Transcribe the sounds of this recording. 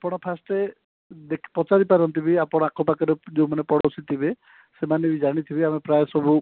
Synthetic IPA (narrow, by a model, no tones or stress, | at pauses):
apɔɽ̃ɔpʰasʈe | d̪ekʰi̥pɔt͡ʃaɾipaɾɔnt̪ibiapɔɽ̃ɔakɔpakɔɾed͡ʒeumanepɔɽɔsʰit̪ʰibe | semanebid͡ʒaɽ̃it̪ʰibiamepɾajesɔbu